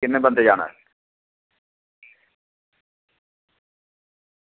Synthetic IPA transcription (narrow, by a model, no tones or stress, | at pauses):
ɪnːẽbɐ̃nd̪ed͡ʒaːna̰ɦɛ